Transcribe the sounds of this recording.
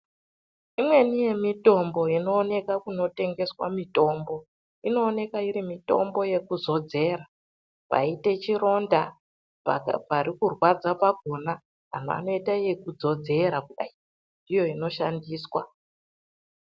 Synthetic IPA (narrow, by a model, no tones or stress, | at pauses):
imwe̞nije̞mito̞mbo̞ino̞ːne̞kakuno̞te̞ŋɡe̞swa̰mito̞ːmbo̞ | ino̞ːne̞kaiɾimito̞̰mbo̞je̞kuzo̞d͡ze̞ːɾa | pa̰ite̞t͡ʃiɾo̞nda | paɾikurwad͡zapaɡʱo̞na | a̰n̤oa̰no̞itaijekud͡zo̞d͡ze̞ɾakuɗai | ndʱijo̞ino̞ʃandiːswa